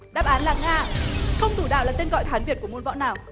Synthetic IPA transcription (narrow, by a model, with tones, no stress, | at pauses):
ɗa̰ː˦˥p̚ʔaː˨˦nlaː˨˩ŋaː˧xə˧wŋ͡mt̪u˧˩ɗa̰ː˧˨wlaː˨˩t̪e˧nɣɔ̰˧˨jt̪ʰaː˨˦nvi˨˩ət̚ku˧˩əmu˧nvɔ̰˧˥naː˨˩w